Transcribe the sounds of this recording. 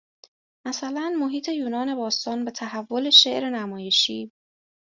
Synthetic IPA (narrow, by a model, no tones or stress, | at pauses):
mæsælænmo̞ɦiːt̪ʰe̞juːnɒːne̞bɒːst̪ɒːnbe̞t̪ʰæɦævːo̞le̞ʃe̞ʔɾe̞næmɒːje̞ʃiː